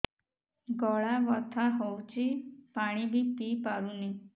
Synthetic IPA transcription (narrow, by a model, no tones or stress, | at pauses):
ɡɔɭaʋɔt̪ʰaɦɔwt͡ʃipaɽ̃ibʱip̪ipaɾuni